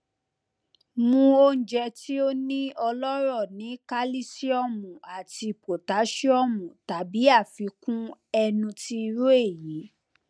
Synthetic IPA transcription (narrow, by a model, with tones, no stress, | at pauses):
mũ˧o˧˦n̩˨d͡ʒɛ˧ti˦o˦nĩ˦ɔ˧lɔ˦ɾɔ˦˨nĩ˨˦ka˦li˦si˦ɔ˦˨mũ˨a˨ti˧po˨ta˨˦ʃi˦ɔ˦˨mũ˨ta˨˦bi˨˦a˦˨fi˨˧˦kũ˦ɛ˧nũ˧ti˦˧ɾu˦e˦˨ji˨˦